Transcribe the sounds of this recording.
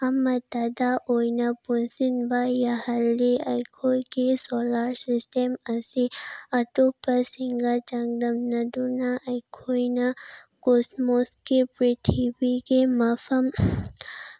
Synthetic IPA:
ɐmɐt̪ad̪aʔojnapunsinbajaɦɐɾliɐjkʰojkesoːlaɾsisʈemɐsiɐʈopɐsiŋɡat͡ʃɐŋd̪ɐmnɐd̪unaʔɐjkʰojna | kosmoskepɾit̪ʰibikemɐfʰɐm

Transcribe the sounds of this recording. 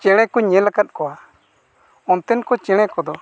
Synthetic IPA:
t͡ʃɛɽ̃ɛkɔɲɛlakat̪̚ˀkɔwa | ɔnt̪ɛnkɔt͡ʃɛ̃ɽ̃ɛ̃kɔd̪ɔ

